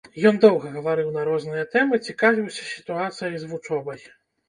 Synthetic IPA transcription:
jɔnd̪ɔwɣɐɣɐvaɾɨwnɐɾɔznɨjɐt̪ɛmɨt͡sʲikavʲiwsʲɐ̥sʲi̥t̪uat̪sɨjɐjzvut͡ʂɔbɐj

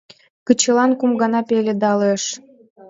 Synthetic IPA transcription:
kət͡ɕɤ̆lɑnkumɡɑnɑpelʲed̪ɑleʃ

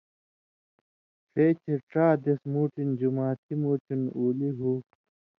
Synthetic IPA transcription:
feːt͡ɕʰeʈaːd̪esmuːʈind͡ʑumaːt̪ʰimuːʈinuːliɦuː

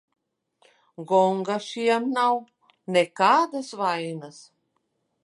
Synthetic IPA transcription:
ɡɔŋɡaʃijamnaw | nɛkaːd̪asvainas

